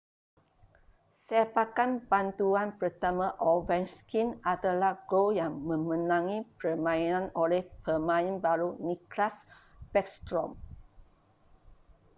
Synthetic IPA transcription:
sɛpakanbant̪uanpərt̪amãʔɔvɛnskinadalahɡojaŋmə̃mə̃nãŋĩpərmãinãnolɛhpəmãĩnbaɾuniklaspɛkst̪ɾɔm

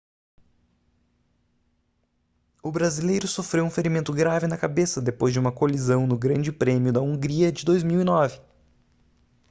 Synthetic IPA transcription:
ʊbɾazilejɾʊsofɾewũfeɾimẽnt̪ʊɡɾavɪnɐkabesɐd̪epojzd͡ʒɪũmɐkolizɐ̃w̃nʊɡɾɐ̃nd͡ʒɪpɾẽmjʊd̪ɐũŋɡɾiɐd͡ʒɪd̪ojzmiwinɔvɪ

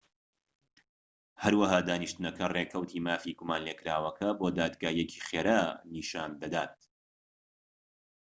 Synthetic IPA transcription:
hɐɾwaɦaːd̪aːniʃt̪ɨnɐkʰɐrekʰɐwt̪ʰiːmaːfiɡumaːnleːkʰɾaːwɐkʰɐboːd̪aːd̪ɡaːjɛcʰiːχeːɾaːniːʃaːnd̪ɐd̪aːt̪̚

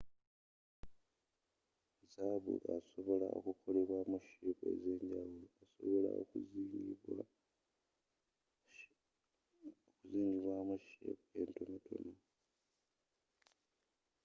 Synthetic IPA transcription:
zaβṵʔa̰soβo̞la̰o̞̰kukʰo̞leβwamuʃike̞̰ze̞ːɲɟaβuloaso̞̰βo̞la̰o̰kː | okuziːɲɡiβwamuʃekue̞ntonotʰo̞̰no

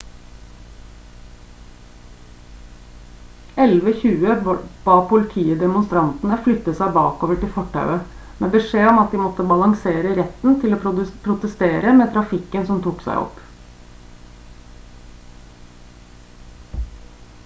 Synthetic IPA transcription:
ɛlʋəçʉːəb̥ɑːpʰʊlɪt̪ʰiːəd̪ɛmʊnst̪ɾɑnt̪n̩əflʏt̪ːəsæɪbɑ̰ːkoːʋəʈɪlfɔʈːɑ̰ʉə | meːbəʂeːɔmɑt̪̚d̪iːmɔt̪ːəbɑlɑŋseːɾəɾɛt̪n̩t̪ʰɪloːpʰɾʊt̪əst̪eːɾəmeːt̪ʰɾɑfɪkːənsɔmt̪ʰuːksæ̰ɪɔ̰pː

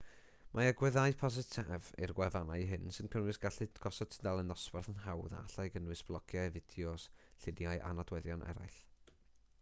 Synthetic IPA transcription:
mʔaəɡwɛðajpʰɔz̬ɪtʰɛvḭrɡwɛvanajɦɨnsɨnkʰənwɨsɡ̥aɬɨdɡ̥ɔsɔd̥̚tʰədalˠənðɔsbarθənɦawða̰aɬajɡənwɨsb̥lˠɔɡʰjavɪd̥jɔsɬɪnjajʔa̰nadwɛðjɔnʔɛ̰ɾa̰jɬ

